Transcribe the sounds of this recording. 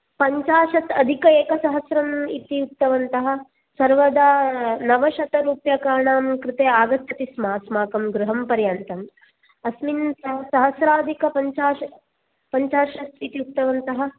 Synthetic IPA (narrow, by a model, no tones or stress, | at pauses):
pɐɲt͡ʃaːʃɐt̪ɐd̪ʱikɐeːkɐsɐɦɐsɾɐmit̪iut̪ːɐʋɐnt̪ɐɦɐ̆ | sɐɾʋɐd̪aːnɐʋɐʃɐt̪ɐɾuːpjɐkaːɾɳaːmkɾɪt̪eːaːɡɐt̪ʰːɐt̪ismaːsmaːkɐmɡɾuɦɐmpɐɾjaːnt̪ɐm | ɐsminsɐɦsɐɦɐsɾaːd̪ʱikɐpɐɲt͡ʃaːʃɐ | pɐɲt͡ʃaːʃɐsit̪iut̪ːɐʋɐnt̪ɐɦɐ̆